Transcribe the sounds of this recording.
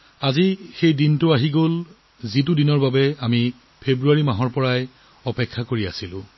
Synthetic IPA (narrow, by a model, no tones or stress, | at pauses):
azixejdintʊaɦiɡol | zit̬udinɔɹbabɛami | pʰebɹuaɹimaɦɔɹpɔɹaj | ɔpɛkʰːakoɹiasilʊ̰̃